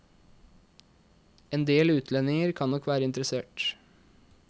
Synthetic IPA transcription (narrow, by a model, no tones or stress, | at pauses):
eːnd̪eːlʉːt̪ʰlɛnːɪŋəɾkʰɑnnɔkʋæːɾəɪnt̪əɾəseːʈ